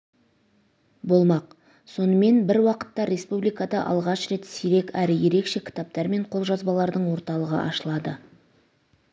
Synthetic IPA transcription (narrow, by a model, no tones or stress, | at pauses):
bo̞lˠmɑq | so̞nəme̞nbɪɾwɑqə̥t̪ːɑɾʲe̞spublijkad̪ɑʔɑ̰lˠʁɑʃɾe̞t̪seɾe̞kæɾɪje̞ɾe̞kʃe̞kʲʰɪ̥t̪ɑp̚t̪ɑɾme̞ɴqʰo̞lˠʒɑzbɑlˠɑɾd̪əɴwo̞ɾt̪ɑlˠəʁə̰ʔɑʃəlˠɑd̪ə